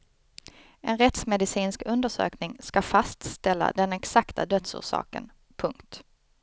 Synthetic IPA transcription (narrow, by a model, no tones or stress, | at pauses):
ʔɛnɾɛt̪smɛd̪ɪsiːnskɵnd̪əʂø̰ːknɪŋskafast̪st̪ɛlːa̰d̪ɛnɛksakt̪ʰad̪œt̪sṵːʂɑ̰ːkə̰n | pʰɵŋkt̪